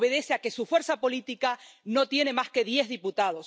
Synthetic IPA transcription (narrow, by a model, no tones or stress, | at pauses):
βe̞ðeseake̞sufwe̞ɾsapo̞lit̪ikano̞t̪je̞ne̞maske̞ðje̞zðiput̪aðo̞s